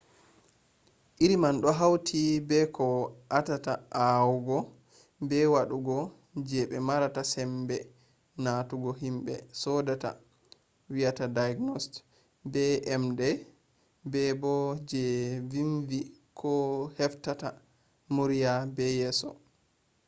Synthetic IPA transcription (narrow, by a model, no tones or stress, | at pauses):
ʔiɾimanɗɔɦawtʰibɛkʰɔʔatataʔawuɡɔ | bɛwaɗuɡɔ | d͡ʒɛɓɛmaɾatasɛmbɛ | natuɡɔɦimbɛ̰sɔdata̰ | wijatadajɡnɔst | bɛʔɛmdɛ | bɛbɔd͡ʒɛviɱvikʰɔhɛftata | muɾijabɛjɛːsɔ̰